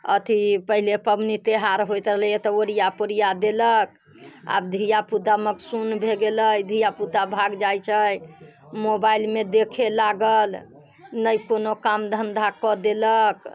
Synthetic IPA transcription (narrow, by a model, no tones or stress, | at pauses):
ə̰t̪ʰipəɦilepəmnit̪eɦaɾɦojt̪ɾəɦlet̪ɔəɾijapəɾijad̪elək̚ | a̰bd̪ʱijaput̪aməksunbʱeɡeləjd̪ʱijaput̪abʱaɡd͡ʒajt͡ʃʰəj | mobailmed̪ekʰelaɡəl | nəjkonokamd̪ʱənd̪ʱakɔd̪elək